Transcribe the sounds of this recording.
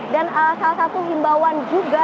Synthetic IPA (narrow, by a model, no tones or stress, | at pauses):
danəsalasat̪uɦimbawand͡ʒuɡa